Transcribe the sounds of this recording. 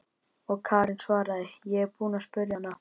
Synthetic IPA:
ɔɣkʰaːɾɪnsvaːɾaðɪjɛɣɛɾpuːnaspʏɾjana

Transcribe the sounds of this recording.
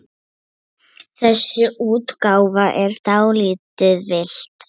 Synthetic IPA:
θɛsːʏuːt̪kaːwvaʔɛɾ̥t̪awliːt̪ɪðvɪl̥t̪

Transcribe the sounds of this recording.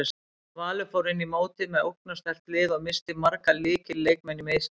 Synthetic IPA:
s | vaːlʏfoːwɾɪnːimoːwt̪ɪðmɛðowknast̪ɛr̥t̪lɪːðɔɣmɪst̪ɪmaɾkaliːcɪleːjkmɛnːimejs

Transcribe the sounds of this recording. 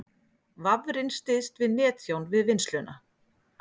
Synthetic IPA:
vavɾɪnst̪ɪst̪vɪðnɛːt̪θjownvɪðvɪnst̪lʏna

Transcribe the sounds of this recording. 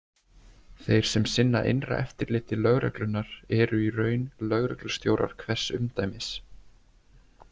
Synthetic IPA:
θejɾ̥sɛmsɪnːaʔḛjnra̰ʔɛft̪ɪɾlɪːht̪ɪlœɣɾœ̰klʏnːaɾ̥ɛɾʏirœːɥnlœɣɾœklʏst̪jowɾʔa̰ɾ̥kʰvɛr̥sʏmt̪aːjmɪs

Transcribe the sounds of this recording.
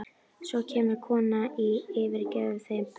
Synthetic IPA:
sɔcʰɛːmʏɾkʰɔːnaiɪːvɪɾcɛːʏθe

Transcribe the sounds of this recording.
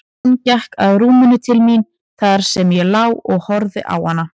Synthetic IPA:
ncahkaðɾuːmʏnʏt̪ʰɪlmin | θaɾ̥sɛmjɛlaːwɔɣhɔɾðɪ̰ʔa̰whanːa

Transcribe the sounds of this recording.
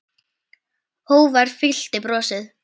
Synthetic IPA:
hoːwvaɾ̥fɪl̥t̪ɪpɾɔːsɪð

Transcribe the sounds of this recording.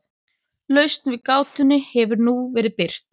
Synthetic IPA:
lœɥst̪nvɪðkaːwt̪ʏnːʏhɛvʏɾnuvɛːɾɪðpɪr̥t̪

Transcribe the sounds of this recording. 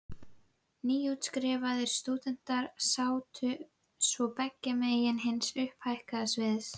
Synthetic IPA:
niːjuːt̪skɾɪːvaðɪɾ̥st̪uːt̪ɛn̥t̪aɾsaːwt̪ʰʏ | svɔpɛcːamejɪnɦɪnsʏhphajhkasvɪðs

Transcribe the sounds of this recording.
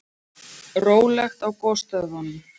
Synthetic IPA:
roːwlɛxt̪awkɔst̪œðvanːɪ

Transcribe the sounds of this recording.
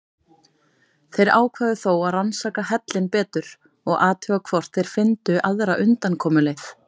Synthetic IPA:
θejɾaːwkʰvaːðʏθowaðransaːkaɦɛt̪lɪnpɛːt̪ʏɾ̥ | ɔɣʔaːt̪ʰœɣakʰvɔr̥t̪θejɾ̥fɪnt̪ʏʔaðɾaʔʏnt̪ankʰɔːmʏlɪθ

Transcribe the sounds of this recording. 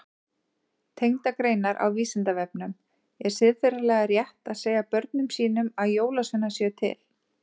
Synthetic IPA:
t̪ʰejŋt̪akɾeːjnaɾʔa̰wviːsɪnt̪avɛp̚nʏm | ɛɾ̥sɪðfɪɾalɛɣarjɛht̪aðseːjɣapœɾt̪̚nʏmsiːnʏmaðjoːwlasʏnːasjɛt̪ʰɪ̰l

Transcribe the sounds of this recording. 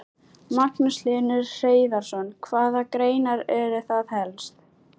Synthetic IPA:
maknʏslɪnʏɾr̥eːjðaɾ̥sɔnkʰvaːðakɾeːjnaɾɛɾɪθaðhɛlst̪

